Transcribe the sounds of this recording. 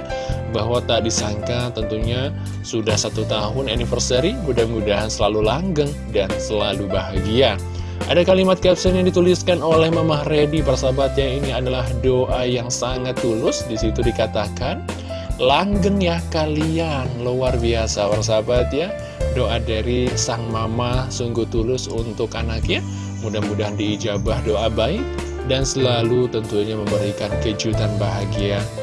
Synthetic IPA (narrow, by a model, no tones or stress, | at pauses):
bahwat̪aʔ̚disaŋkat̪ənt̪uɲa | sudahsat̪ut̪aɦʊnunifərsəɾimudahmudaɦansəlalulaŋɡəŋ | dansəlalubaɦaɡia | ʔadakalimat̪̚kɛpsənjaŋdit̪uliskanolɛhməmahrediparsabat̪̚jainiadalahdoʔajaŋsaŋat̪ːulʊsdisit̪udikat̪akan | laŋɡəŋjakalianlowarbiasapars̬abat̪ja | doʔadaɾisaŋmamasuŋɡuht̪ulʊsunt̪ʊkanakja | mudahmudahdiːd͡ʒabahdoʔabai | dansəlalut̪ənt̪uɲaməmbəɾikankəd͡ʒut̪anbaɦaɡia